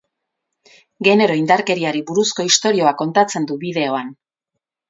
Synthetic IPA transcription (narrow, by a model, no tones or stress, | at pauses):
ɡe̞ne̞ɾo̞ind̪aɾke̞ɾiaɾiβuɾusko̞ist̪o̞ɾio̞ako̞nt̪at͡se̞nd̪uβiðe̞o̞an